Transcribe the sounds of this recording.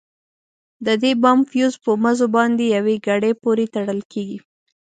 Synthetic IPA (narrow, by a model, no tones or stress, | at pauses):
d̪əd̪ebɑmfjuzpəmazobɑnd̪ejaweɡaɽepoɾet̪aɽəlkeɡi